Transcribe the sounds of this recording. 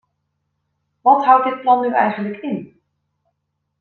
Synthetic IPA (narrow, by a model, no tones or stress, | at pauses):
ʋɑtɦʌwt̚dɪt̚plɑnːyʔɛ̰jχənləkɪn